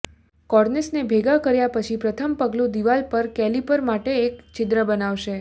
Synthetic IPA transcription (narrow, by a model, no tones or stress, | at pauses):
kɔɾnesnebʱeɡakəɾjapət͡ʃʰipɾət̪ʰəmpəɡlũd̪iʋalpəɾkɛlipəɾmaʈeːkt͡ʃɪd̪ɾəbənaʋʃe